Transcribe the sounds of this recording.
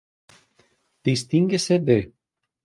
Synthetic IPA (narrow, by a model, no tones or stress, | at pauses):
d̪̥ist̪iŋɡesede